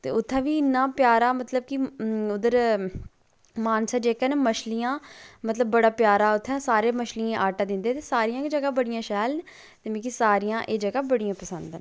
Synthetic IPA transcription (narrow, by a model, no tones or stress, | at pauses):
t̪ḛːʊt̪ʰːãːʋiːɪnːãːpjaːɾaːmət̪ləb̚kiʊd̪əɾ | maːnsaːd͡ʒeːkɛːnːməʃlijãːmət̪ləbːəɽaːpjaːɾaːʊt̪ʰːɛ̃ːsaːɾeːməʃliãːʔaːʈãːd̪ɪnd̪eːt̪eːsaːɾijãːkd͡ʒəɡaːbəɽijãːʃɛːln | t̪eːmẽːkisaːɾijãːʔeːd͡ʒəɡaːbəɽijãːpəsənd̪nː